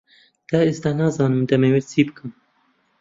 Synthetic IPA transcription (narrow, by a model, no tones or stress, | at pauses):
d̪̥aːesd̪ɑːnɑːzɑːnɨmd̪ɛmɛwɛlsʰiːbɨkʰɨm